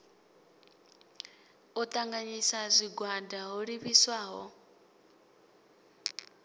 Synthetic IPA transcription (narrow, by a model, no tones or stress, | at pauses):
ɔt̪ʼaŋɡaɲisazʷiɡwandʱaɦoɺiβiswaːɦɔ